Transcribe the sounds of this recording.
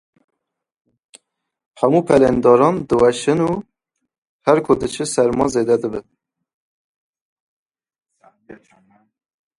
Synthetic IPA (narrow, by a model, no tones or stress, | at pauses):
hɛmuːpʰɛlɛnd̪ɑːɾɑnd̪ɨwɛʃɨnuː | hɛɾkʰod̪ɨt͡ʃʰɨsɛɾmɑnzeːd̪ɛd̪ɨbɨn